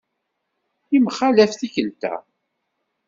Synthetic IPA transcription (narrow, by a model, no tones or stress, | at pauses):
imχalæfθikənt̪æ̰